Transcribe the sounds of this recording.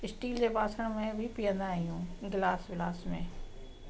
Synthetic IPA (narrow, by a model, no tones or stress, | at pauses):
ɪsʈiːld͡ʑepaːsəɽ̃mẽbʱɪpiə̃nd̪aːɦijũɡɪlaːsʋɪlaːsmẽː